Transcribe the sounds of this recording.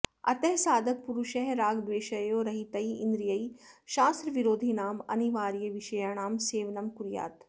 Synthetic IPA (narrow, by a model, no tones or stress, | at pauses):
ɐ̰t̪ɐɦsaːd̪ʱɐk̚puɾuʃɐɦɾaːɡd̪ʋeːʃɐjoːɾɐɦit̪ɐiĩnd̪ɾijɐiʃaːst̪ɾɐʋiɾoːd̪ʱinaːmɐ̰niʋaːɾijɐʋiʃɐjaːnaːmseːʋnɐmkuɾija̰ːt̪